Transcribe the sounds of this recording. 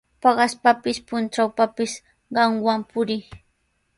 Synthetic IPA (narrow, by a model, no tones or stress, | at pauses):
pɑɢɑspapɪspʊnt͡ʃawpapɪs | ɢɑŋwampʊɾɪ